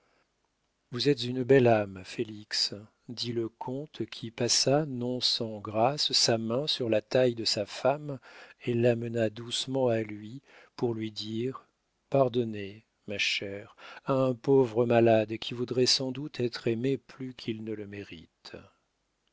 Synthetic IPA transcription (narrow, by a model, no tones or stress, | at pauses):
vuzɛt̪zynbɛlamfeliks | d̪iləkʰɔ̃t̪kʲʰipasanɔ̃sɑ̃ɡʁasːamɛ̃syʁlat̪ajd̪əsafamelːamənad̪usmɑ̃alɥi | puʁlɥid̪iʁ | paʁd̪ɔne | maʃɛʁaɛ̃povʁəmalad̪kʲivud̪ʁɛsɑ̃d̪ut̪ʰɛt̪χemeplykʲʰilnələmeʁit̪